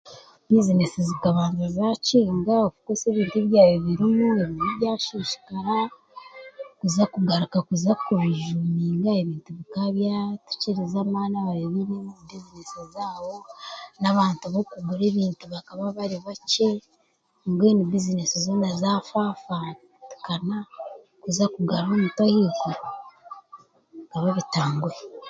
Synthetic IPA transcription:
bizine̞sizikaβaːnzazaciːŋɡaokukose̞ːβiːntuiβjaːjoβiɾimueβinuβjaːʃiʃi̥kaɾa | kuzakuɡaɾukakuzakuβiʒumiːŋɡae̞βiːntuβikaβjatu̥ciɾizamaːnaβaβeβinemuzbizine̞sizaːβo̞naβaːntuβokubuɾe̞ːβiːntuβakaβaβaɾiβace | ŋɡweːnibizine̞sizonazafafa | tu̥kana | kuzakuɡaɾomutahiːko | βikaβaβitaːŋɡuɾe

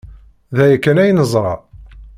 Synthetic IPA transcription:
ðæjækːænæjnəzˤɾˤɑ̰

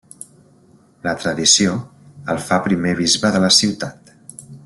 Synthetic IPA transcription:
lət̪ɾəðisioəlˠfapɾimeβ̞izβəðələsiwt̪at̪

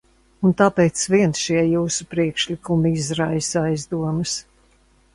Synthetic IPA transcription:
unt̪aːpɛːt̪sviɛnsʃiɛjuːsupɾiɛkʃlikumizɾajsajzd̪uɔmɐs

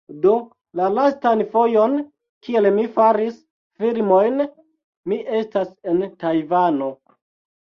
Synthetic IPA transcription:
do̞ | lalastanfo̞jo̞n | kʰielmifaɾis | filmojn | miʔe̞stase̞ntajvano̞

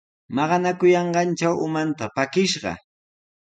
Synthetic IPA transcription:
mɑɢɑnakʊjɑɴɢɑnt͡ʃawʊmant̪apakɪʃɢɑ̰

